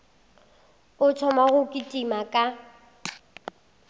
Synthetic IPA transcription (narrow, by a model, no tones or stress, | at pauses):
ʊt͡ʃʰɔmaɣʊkʼɪtʼimakʼa